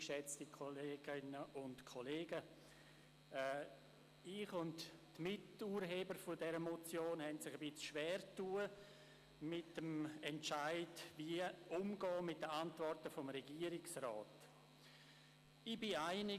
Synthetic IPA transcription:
ʃɛt͡stikʰoleːɡɪnəʊntkʰoleːɡə | ɛ | ɪχʊnttmɪtuːɾɦeːbəɾfʊdɛɾəmɔt͡sjoːnhɛntsɪχəbɪt͡sʃʋɛːɾtuːə | mɪtːəmɛnt͡ʃaɪdviːəʊmɡɔːmɪt̚dəantvɔrtəfɔmɾɛɡiːəɾɪksrɔːt | ɪbɪaɪnɪ

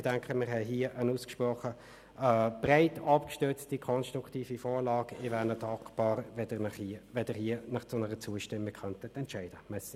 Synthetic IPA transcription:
d̥ɛŋkʰəmɪʁɦɛɦiːəʔənuːskʃpʁɔχə | b̥ʁaɪtʰɑpkʃtøt͡stikʰɔnstʁʊkʰtiːfifɔːʁlɑːɡɪvɛnətɑkʰpɑːʁvɛdənʋɛdəhiənɑχsonəʁət͡suːəʃtɪmːiɡ̥̚kʰœntətɛntt͡ʃæɪd̥əmɛs

